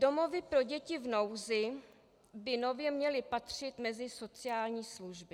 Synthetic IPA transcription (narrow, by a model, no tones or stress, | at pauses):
do̞mo̞vɪpɾo̞ɟɛcɪvno̞wzɪ | bɪno̞vjɛmɲɛlɪpat̪r̝̥ɪt̪mɛzɪso̞t͡sɪjaːlɲiːsluʒbɪ